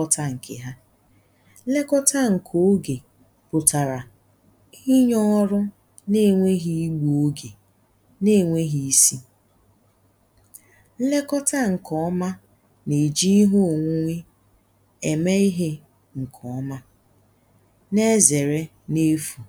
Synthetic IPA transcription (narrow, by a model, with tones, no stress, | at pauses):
ɔ˦ta˦ŋ̩˨kʰḛ˨ɦa˦ | le˦kɔ˦ta˦ŋ̩˨kʰo˨˦ɡe˨ | pʊ˨ta˨ɾa˨ | i˦ɲɔ˦ɾʊ˦ | ne˦˨ŋʷe˦ɦi˦ɡ͡bo˦ɡe˨ | ne˦˨ŋʷe˦ɦi˦i˦si˦ | le˦kɔ˦ta˦ŋ̩˨kʰɔ˦ma˦ | ne˨d͡ʒi˦i˦ɦo˦o˨ŋʷu˦ŋʷe˦ | e˨me˦i˦ɦe˦ | ŋ̩˨kʰɔ˨˦ma˦ | ne˦ze˨ɾe˦ | ne˦fu˨